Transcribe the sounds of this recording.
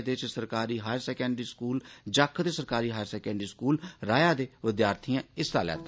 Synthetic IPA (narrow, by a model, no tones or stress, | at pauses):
d̪ɪt͡ʃsəɾkaːɾiːɦaːjəɾsɛːkɛ̃ːɳɖɾiːskuːld͡ʒəkʰːt̪eːsəɾkaːɾiːɦaːjəɾsɛːkɛ̃ːɳɖɾiːskuːlɾaːjaːd̪eːʋɪd̪jaːɾt̪ʰiːãːɪst̪a̰ːlɛ̰ːt̪a